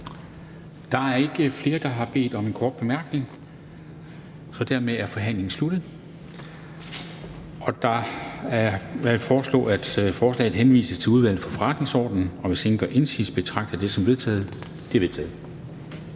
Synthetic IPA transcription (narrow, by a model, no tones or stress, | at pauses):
d̥ɑ̈æɐe̝ɡ̥əfle̝ːɐd̥ɑ̈ɦɑ̈b̥e̝̰ːd̥ɒ̽menkʰɒːd̥̚b̥e̝mæɐɡ̥ne̝ŋ | sɒ̽d̥æɐ̰meæɐfɒ̽ɦæn̰le̝ŋn̩slud̥ð̩ˠ | ʔɒ̽d̥ɑ̈æɐæfɒːslɔ̰̽ːæd̥fɒːslɛ̰ːð̩ˠɦenʋḭːsəst͡sʰe̝uð̞ˠʋæl̰ð̩fɒ̽fɒʁɑ̈d̥ne̝ŋsɒ̰ːd̥n̩ɒ̽ʋe̝se̝nɡ̥ɶʔe̝nsḭːsb̥e̝t͡sʰʁɑ̈ɡ̥̚d̥ɐd̥e̝sɒ̽mʋe̝ð̞ˠt͡sʰɛ̰ːð̞̩ˠ | d̥e̝ʋe̝t͡sʰɛ̰ːð̩ˠ